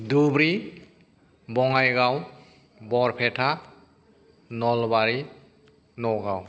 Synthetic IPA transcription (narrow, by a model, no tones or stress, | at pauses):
dubɾi | bɔŋajɡaw | bɔɾpʰɛtʰa | nɔlbaɾi | nɔɡaw